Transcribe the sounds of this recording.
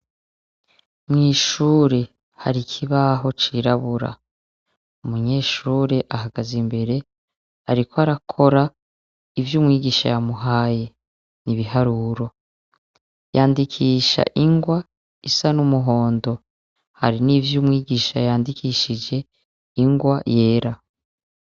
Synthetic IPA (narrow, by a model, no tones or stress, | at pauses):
mŋiːʃuːɾe̞ | ha̰ɾikʰiβaɦo̞t͡ʃiɾaβuɾa̰ | umuɲe̞ːʃuːɾe̞ʔaɦaɡazimbe̞ɾe̞ | haɾikʰoaɾakʰo̞ɾa | ivjuːmŋiːɡiːʃa̰jamuɦaːje̞ | niβiɦaɾuːɾo̞ | jaːndikʰiːʃa̰ʔiŋɡwa | isanumuɦo̞ːndo̞ | ha̰ɾiniːvjuːmŋiːɡiːʃa̰jaːndikiːʃid͡ʒe̞ | iŋɡwaje̞ːɾa